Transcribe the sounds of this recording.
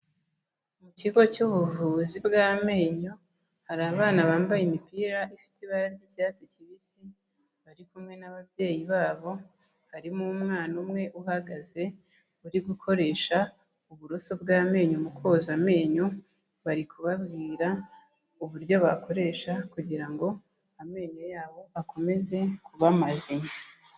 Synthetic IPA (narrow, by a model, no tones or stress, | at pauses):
muciɡo̞cuβuvuːzibɡaːme̞ːɲo | haɾaːβaːnaβaːmbajimipiːɾaʔifi̥tiβaɾaɾɟicaːt͡siciβisi | βaɾikumŋe̞naβavje̞ːjiβaːβo̞ | haɾimumŋaːnumŋe̞ʔuhaɡaze̞ | uɾibɡukʰo̞ɾe̞ʃa | uβuɾoso̞bɡaːme̞ːɲumukʰo̞zame̞ːɲu | βaɾikʰuβabɡiːɾa | uβuɾjo̞βakʰo̞ɾe̞ʃakuɟiɾaŋɡo̞ | ame̞ːɲojaːβo̞ako̞me̞ze̞kuβamazia